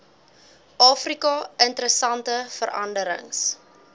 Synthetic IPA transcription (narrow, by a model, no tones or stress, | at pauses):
ʔɑːfrikɑəntəɾəsɐntəfəɾɐndəɾə̰ŋs